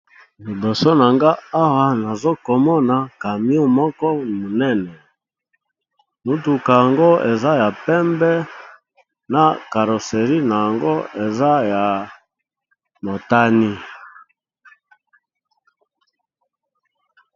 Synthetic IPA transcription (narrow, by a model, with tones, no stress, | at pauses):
li˨bɔ˨so˦na˨ŋɡa˦a˦wa˦na˨zo˦kɔ˨mɔ˦na˨ka˨mi˦u˦mɔ˦kɔ˦mo˨nɛ˦nɛ˨ | mu˨tu˨ka˨ja˨ŋɡo˦e˨za˦ja˨pɛ˦mbɛ˦ | na˨ka˨ɾo˨se˨ʁi˦na˨ja˨ŋɡo˦e˨za˦ja˨ | mo˨ta˦ni˦